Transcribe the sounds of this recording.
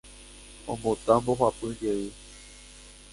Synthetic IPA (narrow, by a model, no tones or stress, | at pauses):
õmbõt̪ãmboɦwapɨ̃d͡ʒeɨ